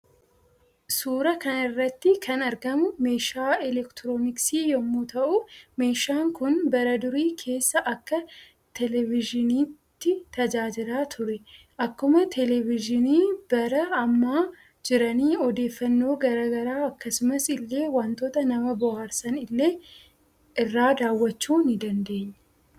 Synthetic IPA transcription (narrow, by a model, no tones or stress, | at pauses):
suːɾɐkɐnɪrːɐt̪ːɪkʰɐnɐɾɡɐmʊme̞ːʃaːɛlɛkt̪ɪɾoːnɪksiːjɔmːut̪ɐʔʊme̞ːʃaːŋkʊnbɐɾɐd̪ʊɾiːkʰe̞ːsːɐʔɐkːɐ | t̪ɛlɛvɪd͡ʒɪniːt̪ːɪt̪ɐd͡ʒaːd͡ʒɪɾaːt̪ʰʊɾɛ | ʔɐkːʊmɐt̪ʰɛlɛvɪd͡ʒɪniːb̥ɐɾɐɐmːaː | d͡ʒɪɾɐniːɔd̪eːfːɐnːo̞ːɡɐɾaːɡɐɾaːɐkːɐsʊmɐsɪlːe̞ːwɐnt̪oːt̪ɐnɐmɐbɔhaːɾsɐnɪlːe̞ː | ʔɪrːaːd̪aːwːɐt͡ʃːuːnɪd̪ɐnd̪e̞ːɲːɛ